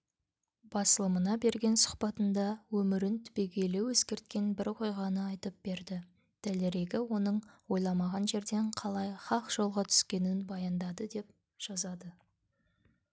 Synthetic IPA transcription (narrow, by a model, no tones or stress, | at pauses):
b̥ɑsəlˠəmənɑbe̞ɾɡʲe̞nsʊ̥χpɑt̪ənd̪ɑwɵmɪɾɪnt̪ʰʏ̥be̞ɡʲe̞lewɵskʲe̞ɾt̪kʲe̞nbɪɾqʰo̞jʁɑnəɑjt̪əp̚b̥e̞ɾd̪ɪ | d̪̥æleɾe̞ɡʲɪwo̞nəɴwo̞jlˠɑmɑʁɑnʒe̞ɾd̪e̞ɴqʰɑlˠɑjχɑqʒ̥o̞lˠʁɑt̪ʰʏ̥skʲe̞nɪnbɑjɑnd̪ɑd̪əd̪e̞p̚ | ʒ̥ɑzɑd̪ə